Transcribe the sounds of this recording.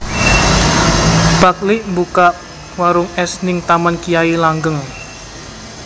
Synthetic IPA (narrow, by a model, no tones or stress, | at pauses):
b̥aklɪʔmbukaʔ | waɾʊŋɛsnɪŋt̪amankijailaŋɡəŋ